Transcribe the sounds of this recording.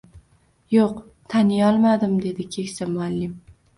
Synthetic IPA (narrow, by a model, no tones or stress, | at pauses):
joq | t̪ʰanɪjɒlˠmad̪ɪmd̪e̞d̪ɪkʲʰe̞kʲsamʊalːɪm